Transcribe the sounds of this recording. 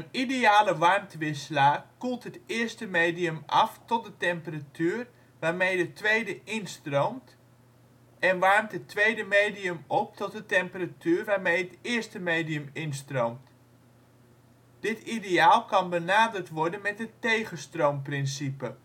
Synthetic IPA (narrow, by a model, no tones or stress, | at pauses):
ənideaːləʋɑrmtʋɪsəlakulˠtɦətɪərstəmejdijəmʔɑ̰ftɔt̚dətɛmpəratʰyːr | ʋaːrmejdətʋejdəʔɪnstrowmt | ɛnʋɑrmtɦətːʋejdəmejdiəmɔp̚tɔt̚dətɛmpəratyːrʋaːrmejɦətɪːəstəmejdiəmɪnstrowmt | d̥ɪtideaːlˠkɑnbənaːdərtʋɔɹdənmɛt̚ətejɣəstrowmprɪnsipə